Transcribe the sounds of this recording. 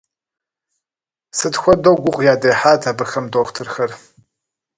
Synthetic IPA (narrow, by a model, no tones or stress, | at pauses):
sɨtxʷɔdowɡʷʊqʷʼjaːdɐjħaːtʰaːbɨxɐmdoːxʷtʰɨrxɐr